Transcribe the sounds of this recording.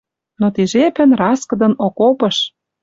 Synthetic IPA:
not̪iʒepɘ̆nrɑskɤ̆d̪ɤ̆nokopɤ̆ʃ

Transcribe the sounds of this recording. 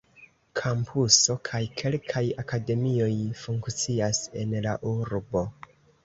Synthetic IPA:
kʰampʰuso̞kʰajkʰe̞lkʰajakade̞mio̞jfuŋkt͡siase̞̰nlaʔuɾbo̞

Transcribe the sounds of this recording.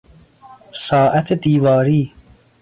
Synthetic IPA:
sɒːʔæt̪ʰed̪iːvɒːɾiː

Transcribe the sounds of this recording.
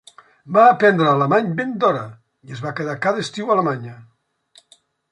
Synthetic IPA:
baːpɛnd̪ɾəːləmaɲbend̪ɔɾə | iəzβakəðakaðəest̪iwaləmaɲə

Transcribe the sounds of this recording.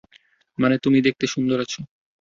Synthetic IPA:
manet̪umid̪ek̚t̪eʃund̪ʱoɾat͡ɕʰo

